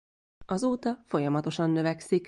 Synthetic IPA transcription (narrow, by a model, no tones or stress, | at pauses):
ɒzoːt̪ɒfo̞jɒmɒt̪o̞ʃɒnːøvɛksik